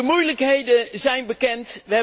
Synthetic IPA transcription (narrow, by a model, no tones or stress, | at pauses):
əmujləkɦejdəzɛjnbəkɛntʋəɦɛ